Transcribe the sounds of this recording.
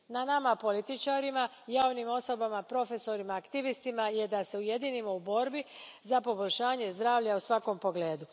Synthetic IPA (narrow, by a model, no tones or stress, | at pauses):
nanamapo̞lit̪it͡ʃaːɾima | jaːʋnimo̞so̞bamapɾo̞fe̞so̞ɾimaːkt̪iʋist̪imaje̞d̪ase̞uje̞d̪inimoubo̞ːɾbizapo̞boʎʲʃaːɲe̞zd̪ɾaːʋʎausʋako̞mpo̞ɡle̞ːd̪u